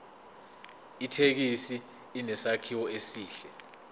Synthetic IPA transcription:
itʰek̬isiː | nɛsakʰiwɔesiːɬɛ

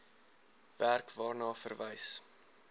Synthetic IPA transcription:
værkvɑːrnɑːfərvəjs

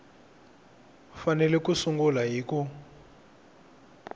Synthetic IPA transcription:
fanɛlɛkusuŋɡulaɦiːku

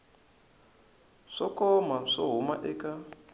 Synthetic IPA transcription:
ʂɔkɔmaʂɔɦuma̰ʔɛka

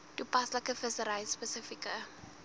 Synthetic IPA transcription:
tupaslakəfəsəɾajspəsɪfikə

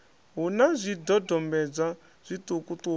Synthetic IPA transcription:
ɦunazʷidɔdɔmbɛd͡za | z̥ʷit̪ukut̪u

